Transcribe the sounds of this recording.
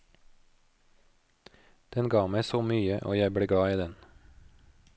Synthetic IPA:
d̪̥ɛnɡɑːmæɪsoːmyːəʔo̰ːjæɪbɽeːɡɽɑːiːd̪ɛn

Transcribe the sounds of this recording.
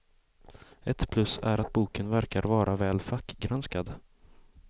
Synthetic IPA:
ɛt̪pʰlɵsæ̰ɾat̪̚buːkənvæɾkaɾvɑːɾʔavɛːlfakːɡɾanskad̪

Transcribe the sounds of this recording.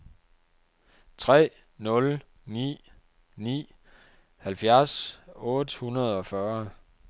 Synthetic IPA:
t͡sʰʁɛ̰ː | nɔ̽l | nḭː | nḭː | hælfjæɐsɔ̽ːd̥hunɐð̞ˠɒ̽fɶɐ

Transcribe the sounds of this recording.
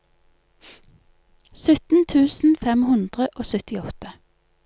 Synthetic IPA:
sœt̪n̩t̪ʰʉːsn̩fɛmhʉnd̪ʁəʔoːsœt̪ɪɔt̪ə

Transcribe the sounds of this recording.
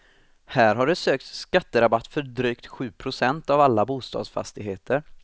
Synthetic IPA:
hæːɾɦaɖɛsøːk̚t̪sskat̪ːəɾabat̪ːfœɖɾyːkt̪ɧʉ̟ːpʰɾʊsɛnt̪avalːabuːst̪ɑ̰ːd̪sfa̰st̪ɪɡɦeːt̪ʰəɾ

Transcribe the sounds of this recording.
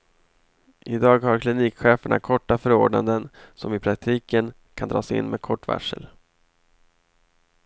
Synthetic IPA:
ʔɪd̪ɑːɡhaɾkʰlɪniːkɧeːfəɳa̰kʰɔʈːafœɾoːɖɳa̰nd̪ənsɔmɪpʰɾak̚t̪ʰiːkən | kʰand̪ɾɑːsɪ̰nːmḛːd̪kʰɔʈːva̰ʂːə̰l

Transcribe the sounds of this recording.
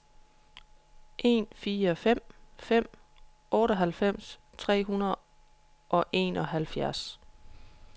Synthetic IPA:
ʔe̝̰ːnfiːɒfem̰fem̰ | ʔɔːɾɒɦælfem̰st͡sʰʁɛ̰ːɦunɐðˠ | ʔɒ̽ʔe̝̰ːnɒ̽ɦælfjæɐs

